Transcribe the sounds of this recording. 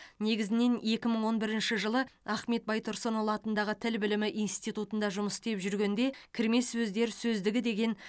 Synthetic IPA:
ne̞ɡʲɪzɪne̞ne̞kʲɪməɴwo̞nbɪɾɪnʃɪʒəlˠəɑχme̞t̪̚bɑjt̪ʰʊɾsonolˠɑt̪ənd̪ɑʁət̪ʰɪlbɪlɪmɪʔijnst̪it̪ut̪ənd̪ɑʒʊməst̪e̞pʒʏɾɡʲe̞nd̪e̞kʲʰɪɾme̞sːɵzd̪e̞ɾsɵzd̪ɪɡʲɪd̪e̞ɡʲe̞n

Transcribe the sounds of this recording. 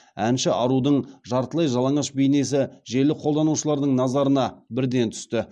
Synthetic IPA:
ænʃɪʔɑɾud̪əɴʒɑɾt̪əlˠɑjʒɑlˠɑɴɑʃbejne̞s̬ɪʒe̞lɪqʰolˠd̪ɑnuʃəlˠɑɾd̪əɴnɑzɑɾənɑbɪɾd̪e̞nt̪ʰʏ̥st̪ɪ

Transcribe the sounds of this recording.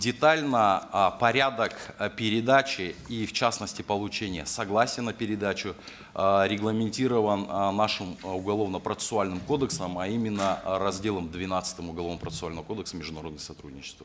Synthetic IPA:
dʲɪt̪alʲnəpɐɾʲad̪əkpʲɪɾʲɪd̪at͡ɕɪift͡ɕasnəsʲtʲɪpəlˠʊt͡ɕenʲɪjəsɐɡlˠasʲɪjənːəpʲɪɾʲɪd̪at͡ɕʊ | ɾʲɪɡlˠəmʲɪnʲtʲiɾəvənːaʂɨmʊɡɐlˠo̞vnəpɾət̪ssʊalʲnɨmko̞d̪əksəmɐimʲɪnːərɐzʲdʲe̞lˠəmd̪vʲɪnat̪sɨ̥t̪əmʊɡɐlˠo̞vnəpɾət̪ʊalʲnəvəko̞d̪əksəmʲɪʐd̪ʊnɐɾo̞d̪nəjəsɐt̪ɾudʲnʲɪt͡ɕɪ̥st̪və

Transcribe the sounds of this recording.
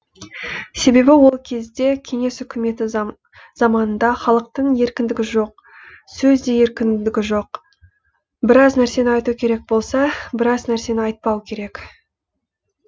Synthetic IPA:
se̞be̞bɪwo̞lˠkʲʰe̞zd̪e̞kʲʰe̞ŋe̞sʏkʲʰɪme̞t̪ɪ | z̥ɑmɑnənd̪ɑχɑlˠəq̚t̪əɴje̞ɾkʲɪnd̪ɪɡʲɪʒo̞q̚ | sɵzd̪e̞je̞ɾkʲɪnd̪ɪɡʲɪʒo̞q | bɪɾɑznæɾse̞nɪɑjt̪ukʲʰe̞ɾe̞k̚bo̞lˠsɑbɪɾɑznæɾse̞nɪɑjt̪̚pɑwkʲʰe̞ɾe̞k

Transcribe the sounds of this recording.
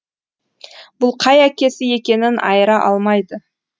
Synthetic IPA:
b̥ʊlˠqʰɑjækʲe̞sɪje̞kʲe̞nɪnʔɑ̰jəɾɑʔɑlˠmɑjd̪ə

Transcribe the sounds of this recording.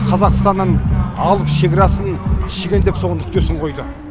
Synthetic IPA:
qʰɑzɑqəst̪ɑnːɑnɑlˠəpʃeɡʲɪɾɑsənʃeɡʲend̪epsoʁənʏk̚t̪esɪɴqʰo̞jd̪ə

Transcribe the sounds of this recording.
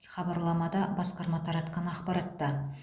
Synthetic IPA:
χɑbɑɾlˠɑmɑd̪ɑbɑsqɑɾmɑt̪ʰɑɾɑt̪qɑnɑqpɑɾɑt̪ːɑ

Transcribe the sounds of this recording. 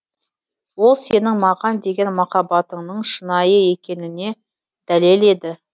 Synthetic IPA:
wo̞lˠse̞nɪŋmɑʁɑnd̪e̞ɡʲe̞nmɑqɑbɑt̪əɴnəɴʃənɑjəe̞kʲe̞nɪne̞ | d̪̥æle̞le̞d̪ɪ

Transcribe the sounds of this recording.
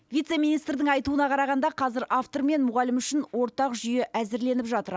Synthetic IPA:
vʲijt̪se̞mijnijst̪ɾd̪ɪŋɑjt̪uənɑqʰɑɾɑʁɑnd̪ɑqʰɑzɪɾʔaft̪o̞ɾme̞nmʊʁɑlɪmʏʃɪnwo̞ɾt̪ɑqʒʏje̞ʔæzɪɾle̞nɪpʒɑt̪əɾ

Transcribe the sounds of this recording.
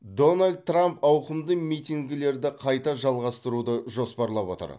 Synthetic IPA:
d̪o̞nalʲd̪̚tːrampɑwqəmd̪əmijt̪ʲiŋɡʲɪle̞ɾd̪ɪqʰɑjt̪ɑʒɑlˠʁɑst̪əɾud̪əʒo̞spɑɾlˠɑpwo̞̰t̪ə̰ɾ

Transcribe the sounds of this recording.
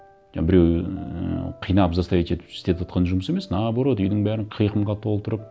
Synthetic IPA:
ʒɑbɪɾe̞wə̰qʰijnɑpzɑst̪ɑjet̪e̞t̪ɪ̥pɪ̥st̪e̞t̪ʰɑt̪qɑnʒʊməse̞me̞snɑboɾod̪əʏjd̪ɪŋbæɾɪɴqʰijqəmʁɑt̪ʰo̞lˠt̪ʰʊɾəp̚

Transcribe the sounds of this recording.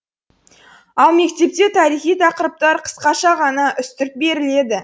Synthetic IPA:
ɑlˠme̞kt̪e̞p̚t̪e̞t̪ʰɑɾijχijt̪ʰɑqəɾəp̚t̪ɑɾqʰə̥sqɑʃɑʁɑnɑʔʏst̪ɪɾɪk̚be̞ɾɪle̞d̪ɪ

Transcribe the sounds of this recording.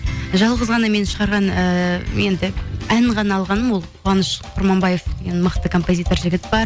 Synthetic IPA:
ʒɑlˠʁəzʁɑnɑme̞nʃəʁɑɾʁɑnəje̞nd̪ɪæɴʁɑnɑːlˠʁɑnəmwo̞lˠqʰʊɑnəʃqʰʊɾmɑmbɑje̞fd̪eɡʲe̞nməqt̪əkʰo̞mpo̞zʲijt̪o̞ɾʒɪɡʲɪt̪b̥ɑɾ

